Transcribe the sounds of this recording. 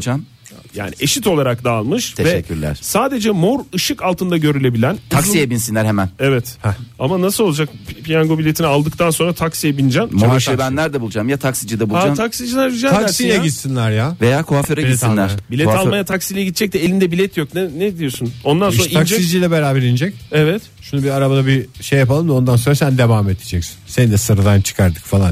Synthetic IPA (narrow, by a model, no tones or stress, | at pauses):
d͡ʒam | ja̰ːniʔeʃit̪ʰo̞lˠaɾakd̪aːlˠmɯʃtʰevɛʃɛcʰːyɾlʲæ̰ɾ̥saːd̪e̞d͡ʒɛmo̞ɾɯʃɯkalˠt̪ɯnd̪aɟø̞ɾylʲe̞bilʲænt̪ʰaksijɛbinsinʲæɾhemænevɛt̪amanasɯlo̞lˠad͡ʒakpʰijaŋɡo̞bilʲe̞t̪ʰinialˠd̪ɯkt̪ʰanso̞nɾat̪ʰaksijebind͡ʒanmoɾʃbænlʲæɾd̪ɛbulˠd͡ʒamjat̪ʰaksid͡ʒɯd̪ɛbulaat̪ʰaksid͡ʒilʲæɾid͡ʒaslʲɛit̪sinlʲæɾjavejaːkʰoafeɾaisinlʲæɾbilʲɛt̪alˠmajat̪ʰaksijlʲɛɟit̪̚t͡ʃʰːɛc̚t̪ɛelʲind̪ɛbilʲɛt̪ʰjoknɛnɛd̪ijo̞suno̞nd̪anso̞ɾaiasd͡ʒɛid͡ʒilʲɛbeɾaːbɛɾind͡ʒɛcevɛt̪ | ʃunubiaɾabad̪abiʃejːapalˠɯmd̪aond̪anso̞nɾasænd̪e̞vaːmet̪ʰed͡ʒɛcsi̥nsenid̪ɛsɯɾad̪ant͡ʃʰɯ̥kʰaɾd̪ɯ̥kfalˠa̰n